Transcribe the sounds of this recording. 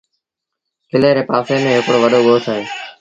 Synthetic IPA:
kɪleːɾeːpaːfeːmẽːɦɪkɽoːʋəɗoːɠoːt̪ʰaːɦeː

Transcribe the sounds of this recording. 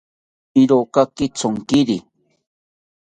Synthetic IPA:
iɾokakɪt͡soŋkɪɾi

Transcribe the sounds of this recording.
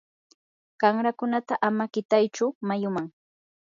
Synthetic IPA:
ɢ̥aŋɾakʊnat̪aʔamakɪt̪ajt͡ʃʊmajʊmaŋ

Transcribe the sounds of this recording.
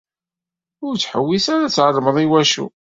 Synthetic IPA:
ʊɾt͡sːħəwːisaɾæt͡sːʕəɾˤːməðˤiwæʃṵ

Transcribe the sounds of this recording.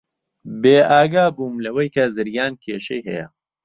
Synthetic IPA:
beːaːɡaːbuːmlɐwɐjkʰɐzɨɾjaːnkʰeːʃejɦɐ̰jɐ̰

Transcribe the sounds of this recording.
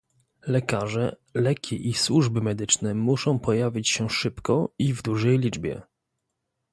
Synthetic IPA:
lɛkaʐɛ | lɛkʲʰiʔiswuʐbɘmɛd̪ɘt͡ʂnɛmuʂɔ̃w̃pɔjavʲit͡ɕɕɛʂɘpkɔivd̪uʐɛjlʲid͡ʐbʲjɛ̰

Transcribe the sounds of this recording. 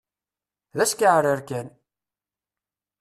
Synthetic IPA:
ðæskiʕɾəɾkæn

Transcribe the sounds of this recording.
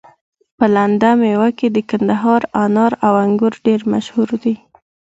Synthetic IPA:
pəland̪amewaked̪əkand̪aɦɑɾanɑɾawaŋɡʊɾɖeɾma̰ʃhuɾd̪i

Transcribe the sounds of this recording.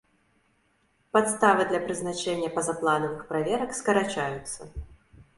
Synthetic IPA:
pat̪st̪avɨd̪lʲɐpɾɨznat͡ʂɛnʲːɐpɐzaplˠanɐvɨxpɾavʲɛɾɐkskɐɾat͡ʂajut̪sːɐ

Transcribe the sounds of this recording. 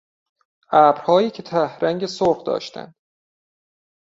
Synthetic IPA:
ʔæːbɾhɒːjiːcʰet̪ʰæhɾæŋɟesoɾχd̪ɒ̰ːʃt̪ʰæ̰nd̪̥

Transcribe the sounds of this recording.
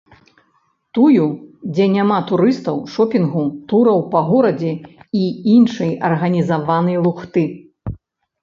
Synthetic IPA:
t̪ujud͡zʲɛnʲamat̪uɾɨst̪ɐwʂɔpʲinɣut̪uɾɐwpɐɣɔɾɐd͡zʲɛiinʂɨjɐrɣɐnʲizavanɐjlˠuxt̪ɨ

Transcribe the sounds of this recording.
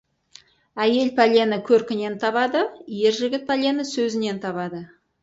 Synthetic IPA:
æje̞lpʰalʲenəkʲʰɵɾkʲɪne̞nt̪ʰɑβɑd̪əje̞ɾʒɪɡʲɪt̪̚pʰalʲe̞nəsɵzɪne̞nt̪ʰɑβɑd̪ə

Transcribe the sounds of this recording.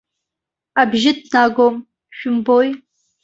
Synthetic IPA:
abʒɪdnaɡom | ʃᶣʊmboj

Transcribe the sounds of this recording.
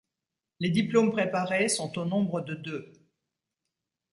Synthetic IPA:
led̪iplompχepaʁesɔ̃t̪onɔ̃bʁəd̪əd̪ø

